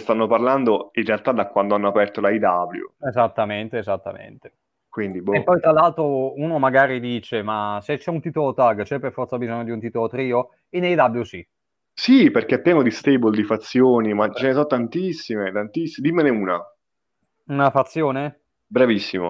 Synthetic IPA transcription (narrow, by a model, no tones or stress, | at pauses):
st̪anːoparland̪oinrealt̪ad̪akwand̪oanːoapɛrt̪olaid̪abljṵezat̪ːament̪eːzat̪ːa̰mḛnt̪e̥ | kwind̪iboepːɔjt̪ɾalːalt̪ɾouːnomaɡaːɾid̪iːt͡ʃemaset͡ʃːɛunt̪it̪olot̪aɡt͡ʃɛpːerfɔrt̪sabizoɲːod̪iunt̪it̪olot̪ɾiːo | inejd̪abljusi | siperkep̪ːɾjɛːmod̪ist̪ebold̪ifat̪sːjoːnimat͡ʃɛnesɔt̪ːant̪isːimet̪ant̪isːid̪imːeneuːna | unafat̪sːjoːne | bɾavisːimo̰